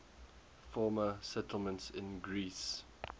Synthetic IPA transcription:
fɔːməsɛtʰəl̩ˠmə̃ntsɪ̃nɡɹiːs

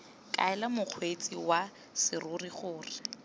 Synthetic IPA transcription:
kʼa̰ɛlamʊq͡χʰwet͡sʼiwa | sɪrʊriχʊːrɪ

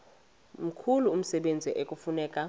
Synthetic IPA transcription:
m̩kʰuluːm̩sɛɓend͡zʱɛʔekʼufunɛːkʼa

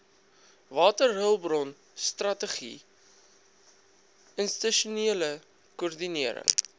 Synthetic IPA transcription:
vɑːtərɦəlˠbrɔn | strɐtəχḭ | ənstəʃuniələ | kɔərdiniəɾə̰ŋ

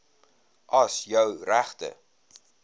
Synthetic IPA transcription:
ʔɐsjœwræχtə̰

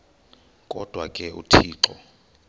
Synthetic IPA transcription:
kʼɔd̥ʱwakʼɛṵtʰiːǁɔ

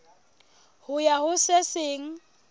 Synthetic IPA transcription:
hʊjahʊseseːŋ̩

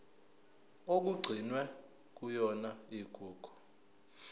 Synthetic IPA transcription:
ok̬uɡ͡ǀʱinwɛ | k̬ujɔnaiɡ̥ʱuːɡ̥ʱɔ̥

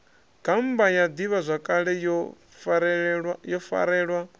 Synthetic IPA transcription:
ɡ̥ambajad̪iβazʷakʼaɺɛ | jɔfa̰ɾɛːɺwa

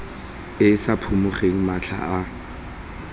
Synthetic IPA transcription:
ɪsapʰumʊχeŋ̩mat͡ɬʰa̰a

